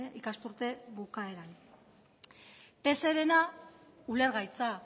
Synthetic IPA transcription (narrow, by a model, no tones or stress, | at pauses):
ikast̪uɾt̪e̞βukae̞ɾan | pe̞se̞ɾe̞na | ule̞ɾɣajt͡sa